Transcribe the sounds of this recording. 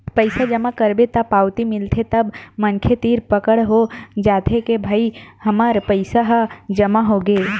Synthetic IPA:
pəɪsad͡ʒəmakəɾbet̪apaːwt̪imɪlt̪ʰet̪əbmənkʰet̪iːɾpəkəɽɦod͡ʒaːt̪ʰekebʱaːihəmaɾpəɪsaɦd͡ʒəmaɦoɡeː

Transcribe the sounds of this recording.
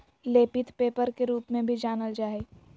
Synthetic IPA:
leːpɪt̪peːpəɾkeɾuːpmẽbʱid͡ʒaːnəld͡ʒaːe

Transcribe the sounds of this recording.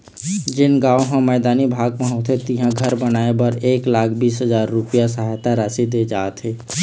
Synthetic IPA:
d͡ʒɪnɡaːoɦãmɛːd̪aːnibʱaːɡ̚pəɦoːt̪ʰɦet̪iɦãɡʱəɾbənaːebəɾeːklaːkʰbiːsɦəzaːɾːʊpijasəɦajt̪aɾaːsid̪ed͡ʒaːt̪ʰɦeː

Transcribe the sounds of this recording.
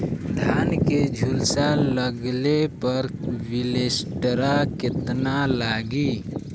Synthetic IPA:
d̪ʱaːnked͡ʒʱʊlsaləɡlepəɾwɪleːsʈəɾakɪt̪nalaːɡiː

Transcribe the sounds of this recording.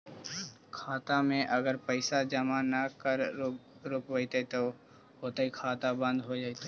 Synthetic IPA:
kʰaːt̪amẽʔəɡəɾpəɪsad͡ʒəmanakəɾ | ɾʊpʋəɪt̪et̪o | ɦot̪aikʰaːt̪abə̃nd̪ɦod͡ʒaːit̪e

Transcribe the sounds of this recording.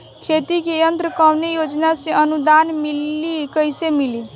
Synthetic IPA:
kʰet̪ikejənt̪ɾəkawnejod͡ʒnasẽənud̪anmilːikəjsemili

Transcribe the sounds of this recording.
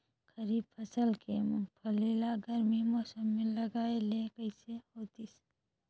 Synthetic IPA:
kəɾiːbpʰɐsəlkempʰəlilaɡəɾmimoːsəmːẽlɐɡaːelekəɪseoːt̪is

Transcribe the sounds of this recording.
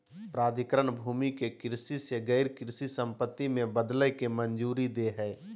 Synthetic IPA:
pɾaːd̪ɪkɾənbʱuːmikekɪɾsiseɡəɪɾkɪɾsisə̃mpət̪ːimẽbəd̪ləjkemənd͡ʒuːɾid̪eɦɛː

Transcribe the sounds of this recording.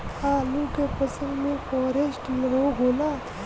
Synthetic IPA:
ãːlũkepəsə̃nd̪mẽfɔːɾesʈlɦoɦoːlaː

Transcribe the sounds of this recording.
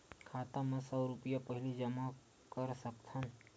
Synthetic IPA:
kʰaːt̪ãmẽsɔɾʊpijapəɦɪlid͡ʒəma | kəɾsəkt̪ʰən

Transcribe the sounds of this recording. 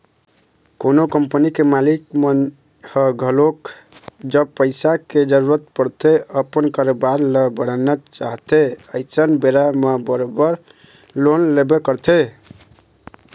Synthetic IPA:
konokəmpənikemalikme | həɡʱəlok | d͡ʒəb̚pəɪsaked͡ʒəɾuɾət̪̚pəɾt̪eəpənkəɾobaɾləbəɽ̤̃ənat͡ʃaɦt̪eəɪsənbeɾamebəɾobəɾ | lonlebekəɾt̪ʰe

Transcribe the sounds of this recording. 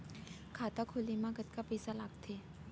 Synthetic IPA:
kʰaːt̪akʰolimãɡɐt̪̚kapɛːsalaːɡt̪ʰeː

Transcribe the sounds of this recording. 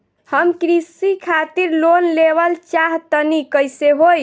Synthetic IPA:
həmkɾisikʰat̪iɾlonleʋəlt͡ʃaɦt̪ənikəjseɦoj

